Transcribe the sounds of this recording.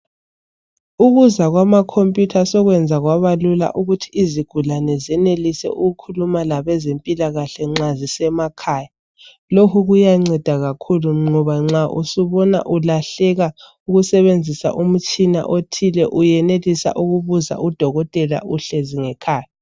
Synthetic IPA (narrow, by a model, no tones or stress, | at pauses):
uɣuzaɣwamakʰompʼjutʰasɔɣwɛnd͡zʱaɣwaβalula̰ʔuɣutʰiːziɡ̥ʱulanɛzɛnelisɛ̰ʔuɣukʰulumalaβɛzempʼilaɣaɬɛŋ͡ǁazisɛmakʰaːja | lokʰuɣujaŋ͡ǀɛd̥ʱaɣakʰuluŋ͡ǃɔβaŋ͡ǀaʔṵsuβɔna̰ʔulaɬɛɣa | uɣusɛβend͡zʱisa̰ʔum̩t͡ʃʼina̰ʔotʰilɛʔujɛnelisa̰ʔuɣuβuza̰ʔud̥ʱɔɣɔtʼɛla̰ʔuɬeziŋɛkʰaːja